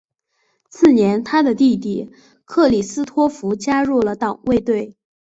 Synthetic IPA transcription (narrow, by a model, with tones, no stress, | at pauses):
t͡sʰɹ̩˥˩njɛ˧˥nt̪ʰa˥d̪ə˨t̪i˥˧t̪̬i˥˩ | kʰɤ˥˩li˨˩sɹ̩˥t̪ʰwɔ˥fu˧˥t͡ɕja˥ɻu˥˩lə˩t̪ɑ˨˩ŋwe˥˧ɪt̪we˥˩ɪ